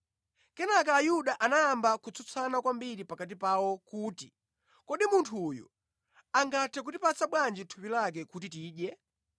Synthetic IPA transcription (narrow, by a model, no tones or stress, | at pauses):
kɛnakaːjuɗaʔanajambakut͡sʰut͡sʰanakwambiɾipakat̬ipawɔkuːtḭ | kɔɗimuntʰujṵ | aŋɡatʰɛk̬utipat͡saɓwand͡ʒitʰupilak̬ɛkutitiːɗjɛ